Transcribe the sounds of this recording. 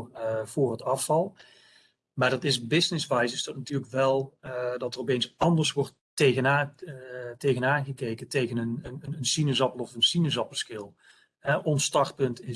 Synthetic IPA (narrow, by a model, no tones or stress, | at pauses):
v̥ʊːrətɑfɑlˠ | maːrdɑtɪsbɪsnɪsʋajsəsd̥ɔtnatyːrləkʋɛlˠdɑtərɔpejnsɑndərsʋɔrt | ejɣəna | tejɣənaːnɣəkeːkətejɣənənəənənsinəzɑpəlɔfənsinəzɑpəskɪlˠ | hɛʔɔnsːtɑrt̚pɵntɪ